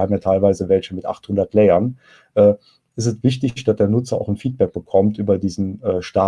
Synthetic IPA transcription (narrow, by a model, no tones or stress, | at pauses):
haːbm̩jaːtʰaɪlvaɪzəvɛlçəmɪtʔa̰χthʊndɐtlɛɪɐn | ʔɛː | ʔɪstɛstv̥ɪçtɪçd̥asd̥eːɐnʊt͡sɐa̰ʊxn̩fiːt̚b̥ɛk̚b̥əkʰɔmtʔyːbɐdiːzn̩ɛːʃtaː